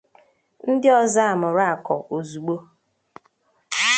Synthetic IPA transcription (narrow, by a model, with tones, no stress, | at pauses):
n̩˦dɪ˦ɔ˦za˦a˨mʊ˨ɾa˦a˨kɔ̰˨ʔo˨zu˨ɡ͡bo˦